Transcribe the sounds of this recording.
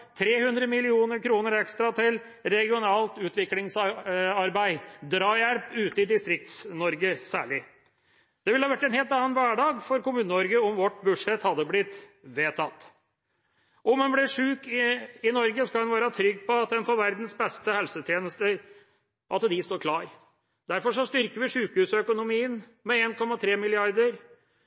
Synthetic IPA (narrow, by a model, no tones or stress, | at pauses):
t̪ʰɾeːhʉnd̪ɾəmɪlɪuːnəɾkʰɾuːnəɾɛkst̪ɾɑt̪ʰɪl | ɾɛɡɪʊnɑːlt̪ʉːt̪ʰʋɪklɪŋsɑɾbæɪd̪ɾɑːjælpʉːt̪əɪd̪ɪst̪ɾɪk̚t̪snɔɾɡəsæ̰ːɭɪ | d̪̥ɛʋɪlhɑːʋæʈːɛnheːlt̪ɑnənʋæːɖɑːɡfɔɾkʊmʉːnəɔɾɡəɔmʋɔʈːbʉd̪ʂɛt̪hɑd̪ːəblɪt̪ːʋeːt̪ʰɑt̪ː | ʔɔmɛnblɪʂʉːkɪɪnɔɾɡəskɑlɛnʋæːɾɑt̪ʰɾʏɡːpʰɔɑt̪̚d̪ɛnfoːɾʋæɾd̪n̩sbɛst̪əhɛlsət̪ʰjeːnəst̪əɾ | ʔɑt̪d̪ɪst̪oːɾkʰlɑːɾ | d̪̥æɾfɔʂɔst̪ʏɾkəʋɪʂʉːkhʉːsɔœkʊnʊmiːən | mɛeːnkʰɔmːɑt̪ʰɾeːmɪlɪɑɾd̪əɾ